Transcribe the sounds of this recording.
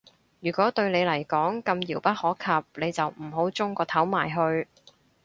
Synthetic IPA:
jyː˨˩kɔː˨˥t̪ɵ˧ɥne˨˧jlɐ˨˩jkɔː˨˥ŋkɐ˧mjiː˨˩wpɐ˥t̚hɔː˨˥kʰɐ˨p̚ne˨˧jt͡sɐ˨wm̩˨˩ɦo˨˥wt͡sʊ˥ŋkɔː˧t̪ʰɐ˨˥wmaː˨˩jɦɵ˧ɥ

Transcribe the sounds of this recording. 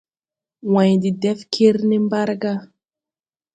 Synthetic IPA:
wã˨jd̪i˨d̪ɛ˦fkʰe˦ɾne˦mba˦ɾɡa˦

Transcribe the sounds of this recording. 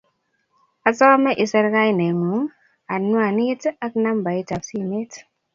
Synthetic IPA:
a˨sɔ˦mɛ˦ʔi˨sɛ˦ɾka˦i˦˨nɛ˨ŋu˨˦ŋ | a˨nwa˨ni˦ta˦kna˦mba˨i˦ta˨psi˦me˦t

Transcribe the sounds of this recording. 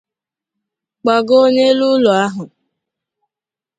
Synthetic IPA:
k͡pa˨ɡo˦ɲe˦lu˦lɔ˨a˦ɦʊ˨

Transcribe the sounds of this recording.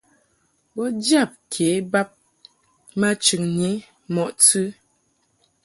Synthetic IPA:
bɔ˦d͡ʒja˦˨p̚kʰe˨˦ba˦p̚ | ma˦t͡ʃʉ˨ŋɲi˨˦ | mɔ˨ʔtʉ˦

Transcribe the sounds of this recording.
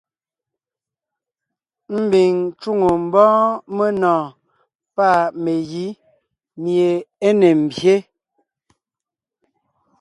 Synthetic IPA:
m̩˦bi˨ŋt͡ʃu˦ŋo˨m̩˨bɔ̃ː˦me˦nɔ̃ː˨ | pa˦˨me˨ji˦ | mje˨e˦ne˨m̩˨bje˦

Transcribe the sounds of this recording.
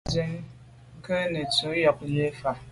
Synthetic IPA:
ze˦ŋ̩˦ | ŋ̩˦kə˦ne˨tu˨˦jɔ˨k̚e˦fa˨

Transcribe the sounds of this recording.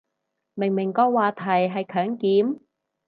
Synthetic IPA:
mɪ˨˩ŋmɪ˨˩ŋkɔː˧waː˨˧t̪ʰɐ˨˩jɦɐ˨jkʰœː˨˥ŋkiː˨˥m

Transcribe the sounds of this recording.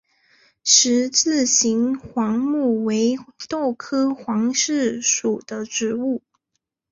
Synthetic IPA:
ʂɻ̩˧˥t͡sɹ̩˥˩ɕi˧˥nxwɑ˧˥ŋmu˥˩we˧˥ɪt̪o˥˩ʊkʰɤ˥xwɑ˧˥ŋʂɻ̩˥˩ʂu˨˩d̪̥ə˦ʈ͡ʂɻ̩˧˥u˥˩

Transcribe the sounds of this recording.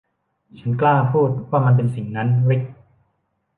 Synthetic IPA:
t͡ɕʰa˦˥nklaː˥˩pʰuː˥˩t̪̚waː˥˩ma˧np̬e˧nsi˨˩ŋna˦˥nɾi˦˥k̚

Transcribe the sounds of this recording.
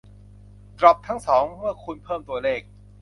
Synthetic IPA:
t̪ɾɔ˨˩p̚t̪ʰa˦˥ŋsɔː˩˦ŋmɯ˥˩ɐkʰu˧npʰɤː˥˩mt̪u˧ɐleː˥˩k̚

